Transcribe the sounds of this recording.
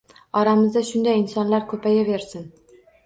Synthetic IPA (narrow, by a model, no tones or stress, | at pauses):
ɒɾamɪzd̪aʃʊnd̪ajɪnsɒnlaɾkʰɵpʰajave̞ɾsɪn